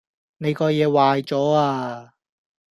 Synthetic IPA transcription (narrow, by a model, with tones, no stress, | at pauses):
ne˨˧jkɔː˧jɛː˨˧waː˨˧jt͡sɔː˨˥aː˧